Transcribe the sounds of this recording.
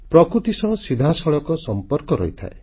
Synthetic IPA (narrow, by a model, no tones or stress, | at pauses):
pɾɔkɾut̪isɔ̃ɦɔsid̪ʱasɔɭɔkɔsɔmpɔɾkɔɾɔ̰jt̪ʰa̰ḛ